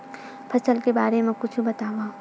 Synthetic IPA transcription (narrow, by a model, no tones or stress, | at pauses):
pʰɐsəlkebaːɾemẽkʊt͡ʃʰubɐt̪aːʋa